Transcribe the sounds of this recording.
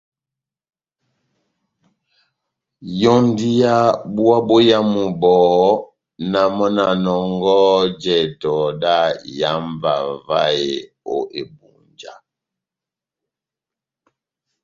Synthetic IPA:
jɔ˦n˦di˦ja˦bu˦a˦bo˦ja˦mu˨bɔː˨ | na˨mɔ˦na˨nɔ˨ŋɡɔ˦d͡ʒɛ˨tɔ˨da˦˨ja˦mva˨va˦e˨ | o˦ʔe˨bṵ˨nd͡ʒa̰˦

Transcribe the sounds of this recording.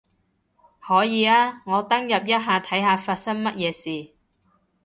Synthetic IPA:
hɔː˨˥jiː˨˧aː˥ŋɔː˨˧t̪ɐ˥ŋjɐ˨p̚jɐ˥t̚ɦaː˨˧t̪ʰɐ˨˥jɦaː˨˧faː˧t̚sɐ˥ŋmɐ˥t̚jɛː˨˧siː˨

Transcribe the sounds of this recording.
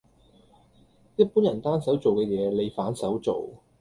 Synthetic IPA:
jɐ˥t̚puː˨˥njɐ˨˩nt̪aː˥nsɐ˨˥wt͡so˨wkɛː˧jɛː˨˧le˨˧jfaː˨˥nsɐ˨˥wt͡so˨w

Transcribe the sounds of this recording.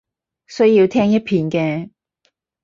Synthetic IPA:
sɵ˥ɥjiː˧wt̪ʰɛː˥ŋjɐ˥t̚pʰiː˧nkɛː˧

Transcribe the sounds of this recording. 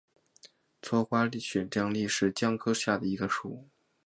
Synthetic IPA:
t͡sʰwɔ˥xwa˥li˥˩ɕɥɛ˨˩nʈ͡ʂjŋli˥˧ʂɻ̩˥˩t͡ɕjɑ˥˩ŋkʰɤ˥ɕja˥˩d̪ə˩i˧˥ɡə˧ʂu˨˩˦

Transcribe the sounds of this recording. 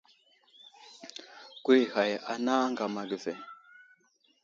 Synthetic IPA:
ki˦ha˨ja˨na˦ŋɡa˨ma˨ɡə˨ve˨

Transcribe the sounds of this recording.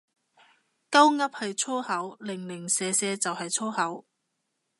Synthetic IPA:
kɐ˥wŋɐ˥p̚hɐ˨jt͡ʃʰɔː˥hɐ˨˥wlɪ˨˩ŋlɪ˨˩ŋsɛː˨˧sɛː˧t͡sɐ˨whɐ˨jt͡sʰɔː˥hɐ˨˥w

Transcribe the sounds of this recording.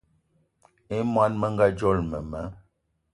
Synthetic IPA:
e˦mwa˦nmə˦ŋɡa˦d͡ʒɔ˦˨lmə˨mə˨˦

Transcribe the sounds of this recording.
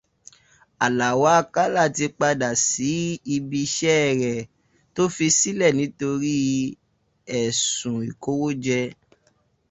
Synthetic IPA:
a˨la˨wa˨˦˧ka˦la˦˨ti˧k͡pa˧da˨si˨˦i˧bi˧ʃɛ˦ɛ˦˨ɾɛ˨ | to˦fi˧si˦lɛ˦˨nĩ˨˦to˧ɾi˦ | ɛ˨sũ˨i˨ko˦wo˦d͡ʒɛ˧

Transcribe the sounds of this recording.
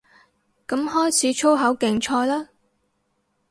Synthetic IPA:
kɐ˨˥mhɔː˥jt͡sʰiː˨˥t͡ʃʰo˥wɦɐ˨˥wkɪ˨ŋt͡ʃʰɔː˧jlaː˥

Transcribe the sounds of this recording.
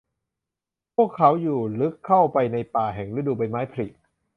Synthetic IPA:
pʰu˥˩əkʰːa˦˥wjuː˨˩lɯ˦˥kʰːa˥˩wpa˧jna˧jpaː˨˩ɦɛː˨˩ŋɾɯ˦˥˩duː˧˩ba˧jmaː˦˥jpʰa˧li˨˩t̪̚

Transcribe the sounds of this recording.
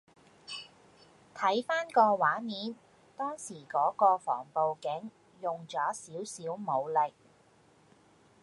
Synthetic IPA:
t̪ʰɐ˨˥jfaː˥nkɔː˧waː˨˥miː˨˥n | t̪ɔː˥ŋsiː˨˩kɔː˨˥kɔː˧fɔ̰ː˨˩ŋpo˨wkɪ˨˥ŋ | jʊ˨ŋt͡sɔː˨˥siː˨˥wsiː˨˥wmo˨˧wlɪ˨k̚

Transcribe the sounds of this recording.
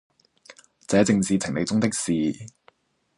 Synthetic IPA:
t͡sɛː˨˥t͡sɪ˧ŋt͡siː˨˧t͡sʰɪ˨˩ŋne˨˧jt͡sʊ˥ŋt̪ɪ˥k̚siː˨

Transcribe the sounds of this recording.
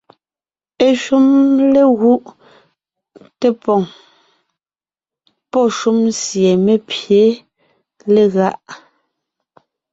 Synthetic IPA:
e˨ʃu˦mle˦ɣu˦ʔ | te˦pɔ˨ŋ | pɔ˦˨ʃu˦msje˨me˦pje˨˦ | le˨ɣa˦ʔ

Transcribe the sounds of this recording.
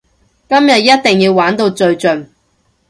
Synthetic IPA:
kɐ˥mjɐ˨t̚jɐ˥t̚t̪ɪ˨ŋjiː˧wwaː˨˥nt̪o˧wt͡sɵ˧ɥt͡ʃɵ˨n

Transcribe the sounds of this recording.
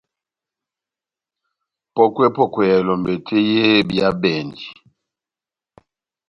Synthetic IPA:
pɔ˦kwe˦pɔ˦˨kwɛ˨ja˨lɔ˨mbe˨tʰe˦je˦bja˦bɛ˨ndi˨

